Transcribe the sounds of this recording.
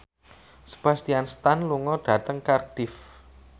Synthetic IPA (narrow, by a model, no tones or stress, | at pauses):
sə̥b̥a̤st̪ianst̪anluŋɔɖ̥ä̤t̪əŋkard̥ɪf